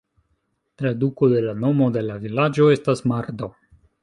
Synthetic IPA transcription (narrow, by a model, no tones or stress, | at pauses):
tɾaduko̞de̞lano̞mo̞de̞lavilad͡ʒo̞e̞stasmaɾdo̞